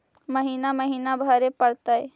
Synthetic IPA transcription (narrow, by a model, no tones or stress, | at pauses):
məɦiːnaməɦiːnabʱaɾepəɽt̪aɦe